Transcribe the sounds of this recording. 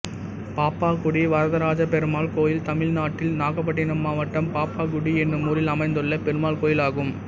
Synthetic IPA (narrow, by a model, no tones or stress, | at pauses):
paːpːaːkʊɽiʋɐɾɐðɐɾaːd͡ʒɐpɛɾɯmaːlkoːjɪlt̪ɐmɪlnaːʈːɪlnaːɣɐpːɐʈːɪnɐmːaːʋɐʈːɐmpaːpːaːkʊɽiɛnrɯmuːɾɪlɐmɐɪnd̪ɯɭːɐpɛɾɯmaːlkoːjɪlaːɣɯm